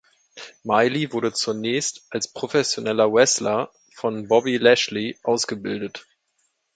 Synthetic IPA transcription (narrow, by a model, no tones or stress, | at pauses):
maɪlivʊɐɾət͡suɐnɛːçstʔalspʁ̥ofɛsjonɛlɐwɛslɐ | fɔnbɔbilɛʃliʔaʊsɡ̥əbɪldət